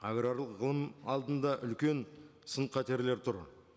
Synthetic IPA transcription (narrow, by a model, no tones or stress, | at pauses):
aɡɾaɾlˠəqʁəlˠəmɑlˠd̪ənd̪ɑʔʏlkʲe̞nsənqʰɑt̪eɾleɾt̪ʰʊɾ